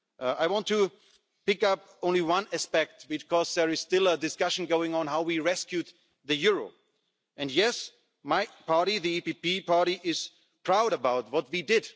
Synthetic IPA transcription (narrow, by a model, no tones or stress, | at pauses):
ʔaɪwɑ̃ntʰu | pɪkʌp̚ | õʊ̃nliwʌ̃næspɛk̚tb̥ɨkʰɔzðə˞ɨz̥stɪlˠədɨskʌʃn̩ɡoʊɪ̃ŋə̃nɦaʊwiɹɛskjʉt̪̚ | ðɨjʊɹoʊ | ɨ̃njɛs | maɪpʰɑɹɾiðiipipipɑɹɾiʔɪz̥ | pʰɹ̥aʊɾəbaʊt̚wʌt̚widɪd̥